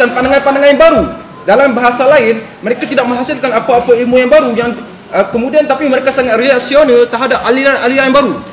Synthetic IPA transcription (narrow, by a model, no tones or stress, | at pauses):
anpandaŋanpandaŋanjaŋbaɾu | dalambaɦasalaɪn | məɾekat̪idak̚mə̃ŋɦasɪlkanapaːpailmujaŋbaɾujaŋ | əkəmudiant̪apiməɾekasaŋat̪̚rilaksionalt̪əɦadap̚alianaliajaŋbaɾu